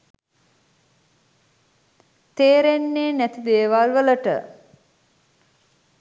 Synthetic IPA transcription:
t̪eːɾenːeːnæt̪id̪eːʋalʋələʈə̰

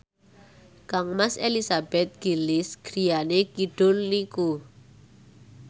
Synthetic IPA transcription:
kaŋmaselisab̥ɛt̪̚ɡ̥ilɪsɡ̥ɾijanekiɖ̥ʊlniku

